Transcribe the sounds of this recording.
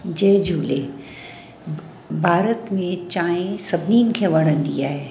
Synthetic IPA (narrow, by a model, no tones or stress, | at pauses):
d͡ʑeːd͡ʒʱuːle | bʱaːɾət̪mẽt͡ɕaːẽsɐbʱniːnkʰẽʋɐɽ̤ə̃nd̪ḭaːɦeː